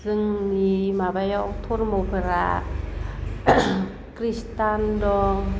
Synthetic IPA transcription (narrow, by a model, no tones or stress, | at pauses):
sɯŋnimaːbajawt̪ʰonmopʰɯɾa̰ | kɾist̪andɔːŋ